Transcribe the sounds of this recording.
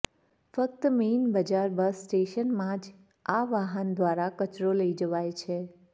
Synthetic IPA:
fək̚t̪menbəd͡ʒaɾbəsːʈeʃənmãd͡ʒ | aʋaɦənd̪ʋaɾakət͡ʃɾoləid͡ʒəʋajt͡ʃʰe

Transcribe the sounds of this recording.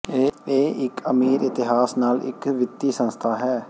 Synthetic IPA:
eːɪkəmiːɾɪt̪ɪɦaːsnaːlɪ̰kʋɪt̪ːiːsə̃nst̪ʰaːɦɛː

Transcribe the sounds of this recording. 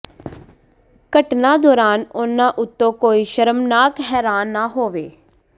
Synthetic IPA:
kəʈnãːd̪ɔːɾaːnʊnãːʔʊt̪ːõːkoːiːʃəɾəmnaːkɦɛːɾaːnːaːɦoːʋeː

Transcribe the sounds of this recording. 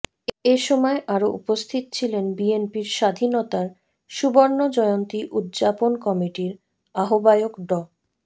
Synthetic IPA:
eʃɔmɔeʔaɾoʔṵpost̪ʰit̪ot͡ɕʰilenbienpiɾʃad̪ʱinot̪aɾ | ʃuboɾnod͡ʑɔeont̪iʔud̪d͡ʑaponkɔmiʈiɾ | aɦobajokɖɔ

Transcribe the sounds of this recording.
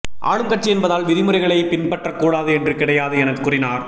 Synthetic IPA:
ʔa̰ːɻɯmkɐʈ̚t͡ʃiɛnbɐðaːlʋɪðɪmɯrɐɪɣɐɭɐɪpɪnpɐʈrɐkːuːɽaːðɯɛndrɯkɪɽɐjaːðɯɛnɐðɯkʊrɪnaːɾ

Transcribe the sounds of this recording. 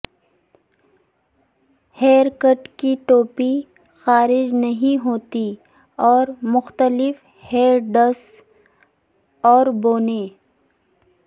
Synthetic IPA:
heːɾkəʈkiʈoːpi | xaːɾɪd͡ʒnɐɦĩɦoːt̪i | ɔːɾmʊxt̪əlɪf | heːɾɖɐs | ɔːɾboːneː

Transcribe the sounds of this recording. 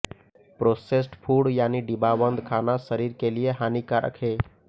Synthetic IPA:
pɾosesʈpʰuɽjaːniɖibabənd̪ʱkʰanasəɾiɾkelijeɦanikaɾʔə̰kʰe

